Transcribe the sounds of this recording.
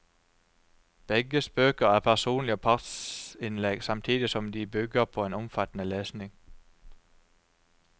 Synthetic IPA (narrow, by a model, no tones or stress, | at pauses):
b̥ɛɡəsb̥øːkɐæʁpʰæʁsuːnlɪəpʰɑd̪sɪnleɡ̥sɑmt̪ʰiːd̪isɔmd̪ibʏɡəpʰɔeːnɔmfɑt̪ən̩əleːsnɪŋ